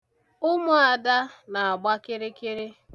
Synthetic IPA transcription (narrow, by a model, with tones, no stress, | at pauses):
ʊ˦mʊ˨a˨da˦na˨a˨ɡ͡ba˦kɪ˦ɾɪ˦kɪ˦ɾɪ˦